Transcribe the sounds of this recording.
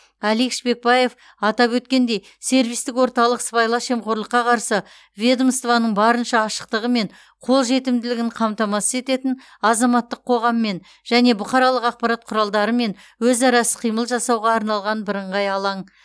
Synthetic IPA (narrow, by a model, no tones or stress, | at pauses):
ælikʃbe̞k̚bɑje̞f | ɑt̪ɑpwɵt̪̚kʲe̞nd̪e̞j | se̞ɾvijst̪ɪkwo̞ɾt̪ɑlˠəqspɑjlˠɑʃe̞mqʰoɾlˠəqːɑqʰɑɾsə | vʲed̪omst̪vɑnəɴbɑɾənʃɑːʃə̥q̚t̪əʁəme̞ɴ | qʰo̞lˠʒe̞t̪ɪmd̪ɪlɪɡʲɪɴqʰɑmt̪ɑmɑsəze̞t̪e̞t̪ɪn | ɑzɑmɑt̪ːəqʰːo̞ʁɑmːe̞n | ʒ̥æne̞bʊqʰɑɾɑlˠəqɑq̚pɑɾɑt̪̚qʰʊɾɑlˠd̪ɑɾəme̞n | wɵzɑɾɑsə̥qʰijməlˠʒɑsɑwʁɑːɾnɑlˠʁɑnbɪɾəɴʁɑjɑlˠɑɴ